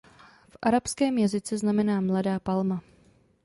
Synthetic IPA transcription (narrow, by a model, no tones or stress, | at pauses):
fʔaɾapskɛːmjazɪt͡sɛznamɛnaːmladaːpalma